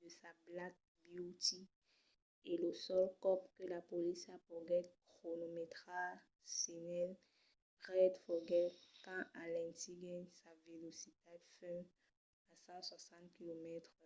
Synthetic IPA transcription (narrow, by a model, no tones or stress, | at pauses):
d̪əsablat̪̚ | bjut̪i | eləsɔlkɔpkəlapolisapɔɡɛt̚kχonomet̪χa | senɛl | ʁɛd̪fɔɡɛlkãʔalɛ̃nt̪iɡɛ̃ɲsavelosit̪ad̪fɛn | asãswasɑ̃t̪̚kilomɛt̪χ